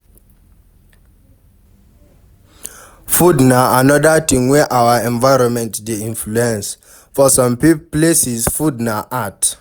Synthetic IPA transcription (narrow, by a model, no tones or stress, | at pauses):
fudnaanɔdatĩŋwɛʔawaɛ̃nvaɹɔ̃nmɛ̃ntdeĩnfluɛ̃ns | fɔsɔ̃mpiplesisfudnaʔat